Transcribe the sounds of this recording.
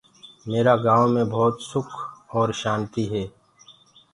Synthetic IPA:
meːɾaɡãːwmẽbʱɔːt̪sʊkʰɔːɾʃaːnt̪iɦɛː

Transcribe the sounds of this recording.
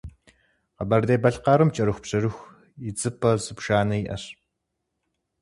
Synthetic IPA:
qɐbɐrdeːbɐɬqɑːɾɨmt͡ʃʼɐɾɨxʷpɕɐrɨxʷ | id͡zɨpʰɐzɨpʃaːnɐjiʔɐ̰ɕ

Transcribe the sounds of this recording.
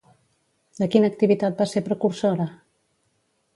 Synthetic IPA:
d̪əkinək̚t̪iβit̪at̪̚baseɾpɾəkuɾsoɾə

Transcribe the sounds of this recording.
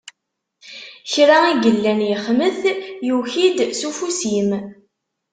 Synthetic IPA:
çɾaiɡəlːænjəχməθjuçid̪sufusim

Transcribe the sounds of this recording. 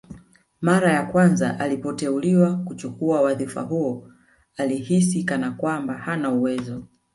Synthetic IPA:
maɾajakwanza̰ʔalipɔtɛuliwakut͡ʃukuawaðifa̰ɦuɔ | alihisikanakwambahanauwɛzɔ

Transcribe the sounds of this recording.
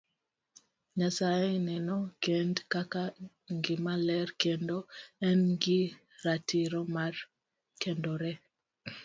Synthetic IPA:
ɲasajɛenɛnɔkendkaka | ŋɡɪmalɛrkendoɛnŋɡi | ɾatiɾomar | kendoɾɛ

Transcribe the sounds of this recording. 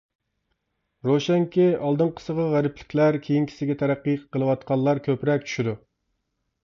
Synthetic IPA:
ɾoʃɛŋkʲɪɑlˠd̪ɨnqʰə̥səʁɑʁæɾɪpʰlɪ̥kʲlæɾkʲʰejiŋkʲʰi̥sɪɡʲɛt̪ʰæɾæqːijqəlˠɨwɑt̪qɑnlˠɑɾkʲʰøpɾɛk̚ʲt͡ʃʰy̥ʃyd̪u

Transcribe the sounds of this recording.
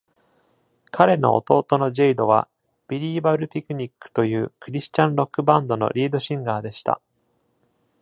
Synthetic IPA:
kʰaɾe̞no̞̰o̰t̪o̞ːt̪o̞no̞ʑeid̪o̞β̞a̰ | b̥ʲiɾʲiːbaɾɯ̟pʲikɯ̟ɲ̟ikːɯ̟̥t̪o̞jɯ̟ːkɯ̟ɾʲiɕɨ̥t͡ɕãnɾo̞kːɯ̟bãnd̪o̞no̞̰ɾʲiːd̪o̞ɕĩŋɡaːd̪e̞ɕi̥t̪a̰

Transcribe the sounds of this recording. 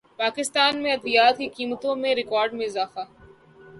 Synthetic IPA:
paːkɪst̪aːnmẽɐd̪lijaːt̪̚kikiːmət̪õmẽɾɪkɔːɾɖmẽɪzaːfaː

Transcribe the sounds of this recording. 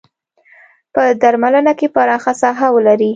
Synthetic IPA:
pəd̪aɾmalənakepaɾɑxasɑɦawəlaɾi

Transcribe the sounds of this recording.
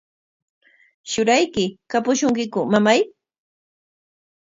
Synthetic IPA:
ʃʊɾajkɪkapʊʃʊŋkɪkʊmamaj

